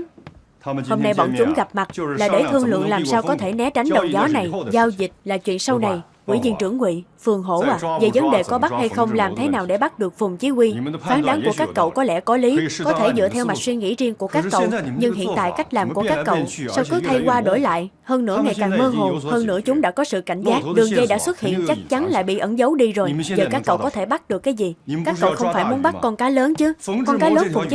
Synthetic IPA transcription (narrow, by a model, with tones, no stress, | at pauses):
o˨˩mna˨˩jɓɔ̰˧˥˩nt͡ɕʊ˨˦ŋ͡mɣa˨˩p̚ma˨˩t̚laː˨˩ɗe˧˩t̪ʰɨ˧əŋlɨ̰˧˨əŋlaː˨˩msaː˧wkɔ˨˦t̪ʰe˧˩nɛ˨˦t͡ɕa˨˦jŋ̟ɗə˨˩wŋ͡mzɔ˨˦na˨˩jzaː˧wzi˨˩t̚laː˨˩t͡ɕwḭ˧˨ənsa˧wna˨˩j | kwḭ˧˩zḭ˧ənt͡ɕɨ˧˩əŋːwḭ˧˨fɨ˨˩əŋɦo̰˧˩ʔːve˨˩zə˨˦nɗe˨˩kɔ˨˦ɓa˦˥t̚ha˧jxə˧wŋ͡mlaː˨˩mt̪ʰe˨˦naː˨˩wɗe˧˩ɓa˦˥t̚ɗɨ˨˩ək̚fʊ˨˩ŋ͡mt͡ɕi˨˦kwi˧faː˨˦nkɗaː˨˦ŋku˧˩əkaː˦˥kːə̰˧˨wkɔ˨˦lɛ̰˧˩kɔ˨˦li˨˦kɔ˨˦t̪ʰe˧˩zɨ̰˧˨t̪ʰɛ˧wma˨˩k̚swi˧ŋḭ˧˥zi˧əŋku˧˩əkaː˦˥kːə̰˧˨wɲɨ˧ŋhḭ˧˨ənt̪a̰ː˧˨jka˦˥jk̟̚laː˨˩mku˧˩əkaː˦˥kːə̰˧˨wsa˧wkɨ˨˦t̪ʰa˧jkwaː˧ɗo˧˩jla̰ː˧˨jhəː˧nnɨ̰˧˥əŋa˨˩jkaː˨˩ŋməː˧ɦo˨˩nhəː˧nnɨ̰˧˥ət͡ɕʊ˨˦ŋ͡mɗa̰ː˧˥kɔ˨˦sɨ̰˧˨ka̰˧˩jŋ̟zaː˦˥t̚ɗɨ˨˩əŋɣə˧jɗa̰ː˧˥swə˦˥t̚hḭ˧˨ənt͡ɕa˦˥k̚t͡ɕa˨˦nla̰ː˧˨jɓḭ˧˨ʔə˨˧˩nzə˨˦wɗi˧zo˨˩jzəː˨˩kaː˦˥kːə˧˨wkɔ˨˦t̪ʰe˧˩ɓa˦˥t̚ɗɨ˨˩əkːaː˨˦jzi˨˩kaː˥kːə̰˧˨wxə˧wŋ͡mfaː˧˩jmu˨˦ənɓa˦˥t̚kɔ˧nkaː˨˦jləː˨˦nt͡ɕɨ˨˦kɔ˧nkaː˨˦ləː˨˦nfʊ˨˩ŋ͡mt͡ɕ